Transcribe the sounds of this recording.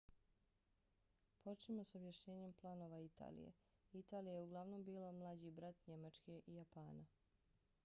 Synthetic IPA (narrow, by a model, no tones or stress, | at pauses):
po̞t͡ʃnimo̞sobjaʃɲe̞ːɲe̞mplˠaːno̞ʋait̪a̰lḭjḛ | it̪aːlijajeuɡlˠaʋno̞mbiːlamlˠad͡ʑibɾat̪ɲe̞mat͡ʃke̞ʔijapaːna